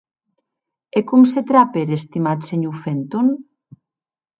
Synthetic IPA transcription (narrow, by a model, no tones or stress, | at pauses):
ekumset̪ɾapeɾest̪imat̪seɲufent̪on